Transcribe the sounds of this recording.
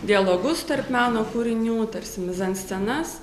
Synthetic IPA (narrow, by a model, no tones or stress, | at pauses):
d̪ʲɪjɛlˠoːɡʊst̪ɐɾpmʲæːnoːkuːɾʲɪnʲuːt̪ɐɾʲsʲɪmʲɪzɐnsʲt͡s̪ʲɛnɐs